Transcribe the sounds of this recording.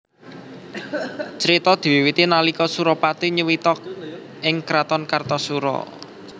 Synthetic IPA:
t͡ʃəɾit̪ɔd̪̥i̤wiwit̪inalikɔsuɾɔpat̪iɲəwit̪ɔk̚ | ɪŋkɾat̪ɔnkart̪ɔsuɾɔ̰

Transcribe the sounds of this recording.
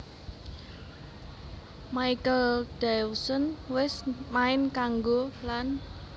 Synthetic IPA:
maikəld̥ɛwsənwɪsmaɪnkaŋɡolan

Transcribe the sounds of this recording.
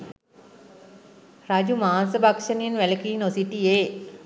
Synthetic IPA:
rad͡ʒumaːnsəbakʂənijenʋæləkiːnosiʈijeː

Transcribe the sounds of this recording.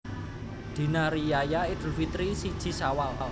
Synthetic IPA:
d̪̥i̤naɾijajaid̪̥ṳlfit̪ɾisid̥ʒ̥i̤sawala

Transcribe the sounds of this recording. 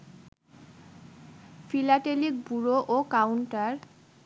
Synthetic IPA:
filaʈelik̚buɾoʔokawɳʈaɾ

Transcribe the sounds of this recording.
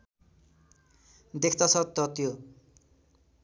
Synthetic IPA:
d̪ekʰt̪asʰʌt̪ːʌt̪jo

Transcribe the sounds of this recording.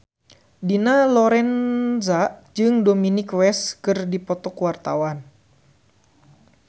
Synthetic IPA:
dinalɔɾɛnzad͡ʒɨŋdominikwɛskɨrdipɔt̪ɔkwart̪a̰wan

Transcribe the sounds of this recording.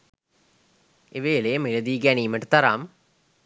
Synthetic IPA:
eʋeːlejəmeləd̪iːɡæniːməʈət̪ɐɾa̰ːmə

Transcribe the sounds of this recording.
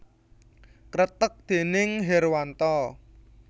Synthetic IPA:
kɾət̪ək̚d̪̥e̤nɪŋɦɛrwant̪ɔ

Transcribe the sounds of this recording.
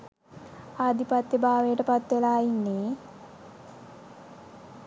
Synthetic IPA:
ad̪ipat̪ːebaːʋejəʈəpat̪ːelaːinːe

